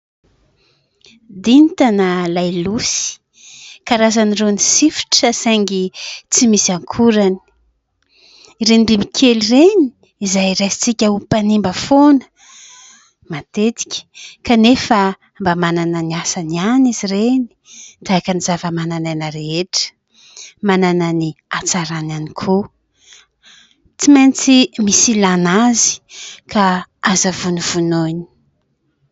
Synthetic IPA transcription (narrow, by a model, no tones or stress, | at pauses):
d̪int̪anəlajlusi̥ | kaɾazanirenisifi̥ʈ͡ʂəsaŋɡit͡simisaŋkʰuɾani̥ | iɾenibimikʲʰelireni̥ | izajɾajsi̥t͡sikʲaupanimbəfonə̥ | mat̪et̪i̥kʲə̥kanefə | mbamanananiasanianizireni̥t̪akənizavəmanananəɾeeʈ͡ʂə̥ | manananiat͡saɾananikʰo | t͡simajnt͡simisilanazi̥kʰaazavuniv̥unoni̥